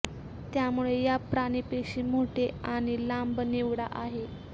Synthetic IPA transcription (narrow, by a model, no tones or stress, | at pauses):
t̪jamuɭejapɾaɽ̃ipeɕiːmoʈʰeaɽ̃ilambneʋɽaʔaɦe